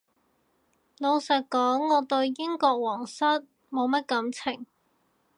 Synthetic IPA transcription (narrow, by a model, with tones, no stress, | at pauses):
lo˨˧wsɐ˨t̚kɔː˨˥ŋːɔː˨˧t̪ɵ˧ɥjɪ˥ŋkɔː˧k̚wɔː˨˩ŋsɐ˥t̚ | mo˨˧wmɐ˥t̚kɐ˨˥mt͡sʰɪ˨˩ŋ